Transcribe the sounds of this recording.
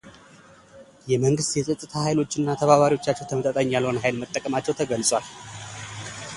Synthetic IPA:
jɛməŋɡɨst̪jɛsʼət̪ʼːɨt̪ʰahajlo̞t͡ʃːɪnːat̪ʰəβaβaɾiwo̞t͡ʃːat͡ʃːɛwt̪ʰəmət̪ʼət̪ʼəɲːjalho̞nəɦajlmət̪ʼːəkʼəmat͡ʃːɛwt̪ʰəɡəlsʼwal

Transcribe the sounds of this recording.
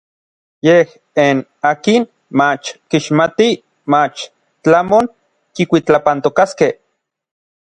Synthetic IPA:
jeh | enaːkin | mat͡ʃkiʃmat̪i | mat͡ʃ | t͡ɬamoŋ | kikʷit͡ɬapant̪okaskeh

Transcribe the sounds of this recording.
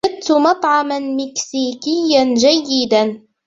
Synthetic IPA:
ad̪t̪mɑt̪ˤʕɑmanmɪksiːkɪjːand͡ʒajːɪd̪an

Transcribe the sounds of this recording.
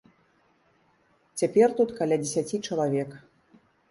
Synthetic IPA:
t͡sʲapʲɛrt̪ut̪kalʲad͡zʲesʲat͡sʲit͡ʂɐlˠavʲɛk

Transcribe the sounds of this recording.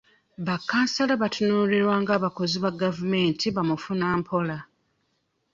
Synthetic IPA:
βakːaːnsalaβatʰunuːliɾwaːŋɡaːβako̞ziβaɡavume̞ːntʰiβamufunaːmpʰo̞la

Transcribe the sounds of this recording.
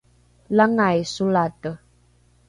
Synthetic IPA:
laŋajsulatə

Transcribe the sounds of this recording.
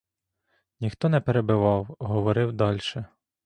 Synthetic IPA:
nʲixt̪ɔnɛpeɾebɪʋɑwɦɔʋɔɾɪwd̪ɑlʲʃɛ

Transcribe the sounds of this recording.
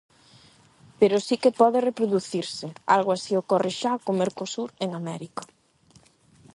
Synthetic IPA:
peɾosikepɔðerepɾoðuθiɾsɪa̰lɣ̞oasiokɔreʃakomeɾkosuɾeŋamɛɾiko

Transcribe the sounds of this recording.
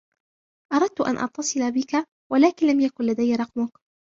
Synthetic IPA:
ʔɑɾˤɑd̪̚t̪ʊʔa̰nʔɑ̰t̪ˤʰːɑsˤɨlabɪka | walaːkɪnlamjakʊnlad̪ajːaɾˤɑqmʊk

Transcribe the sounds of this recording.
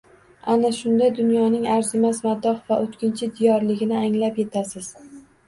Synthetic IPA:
anaʃʊnd̪ad̪ʊnjɒnɪŋaɾzɪmazmad̪ːɒχvaʔot̪kʲʰɪnt͡ʃʰɪd̪ijɒɾlɪɡʲɪnɪaŋlapje̞t̪ʰasɪz̥

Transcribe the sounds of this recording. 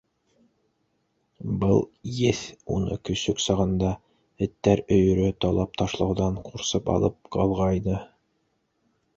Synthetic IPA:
bɤlˠjɘθṵnɤ̰kɵ̆sɵksɑʁɤ̆nd̪ɑ | ɘ̆t̪ːæɾɵ̆jɵ̆ɾɵt̪ɑlˠɑp̚t̪ɑʃlˠɤ̆wðɑɴquɾsɤpɑ̰lˠɤp̚qɑlˠʁɑjnɤ

